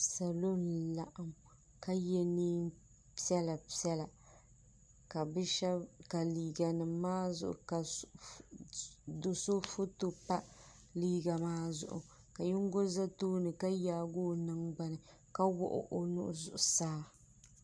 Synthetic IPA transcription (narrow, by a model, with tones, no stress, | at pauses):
sa˨lo˦nla˦ʔa˨m | ka˦jɛ˦niː˦m | pi˦ɛ˦la˨pi˦ɛ˦la˨ | ka˨bɨ˦ʃɛ˦bka˨liː˨ɡa˨nɨ˨mːaː˦zʊ̰˨ʔʊ̰˨ka˨ | do˨so˦fo˦to˨pa˦ | liː˦ɡa˨maː˦zʊ̰˨ʔʊ̰˨ | ka˨ji˦ŋ˦ɡo˦za˦toː˦nɨ˨ka˦jaː˦ɡoː˦nɨ˦ŋɡ͡ba˨nɨ˨ | ka˦wɔ̰˦ʔʊ̰˨ʔo˨nʊ̰˦ʔʊ̰˨zʊ̰˨ʔʊ˨saː˦